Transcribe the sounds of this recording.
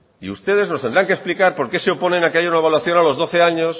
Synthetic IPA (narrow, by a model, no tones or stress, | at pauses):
iust̪e̞ð̞e̞znost̪end̪ɾaŋkesplikaɾpo̞ɾke̞seo̞po̞nẽ̞nakeaʝaunaβalwaθjo̞nalo̞zðo̞θe̞aɲo̞s